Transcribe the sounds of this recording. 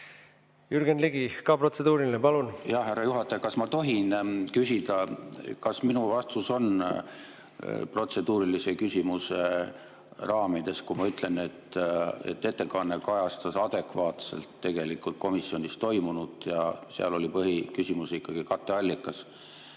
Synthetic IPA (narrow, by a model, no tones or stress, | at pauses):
jyɾɡ̥enliɡikɑprot̪sed̪uːɾilinepɑlunjɑhhɦærːɑjuɦɑt̪ːˑɑjɑkɑsmɑt̪o̞ɦinkysʲid̪̥ɑkɑsminuvɑst̪uso̞n | pro̞t̪se̞d̪uːɾilise̞kysʲimuse | rɑːmid̪̥e̞skumɑyt̪ˑle̞ne̞t̪ːˑe̞̰t̪ːe̞t̪ːe̞kɑnːe̞kɑjɑst̪ɑsɑd̪̥e̞kvɑːt̪se̞̰lt̪ːe̞ɡe̞likːult̪̚ko̞misːio̞nʲist̪o̞jmunud̪̥jɑseɑ̰lo̞lipɤɦikysʲimuseikːɑɡ̥ikɑt̪ːˑe̞ɑlʲːikːˑɑs